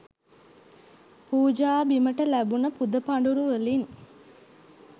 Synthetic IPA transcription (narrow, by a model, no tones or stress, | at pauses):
puːd͡ʒaːbiməʈəlæbunəpud̪əpaɳɖuɾuʋəlin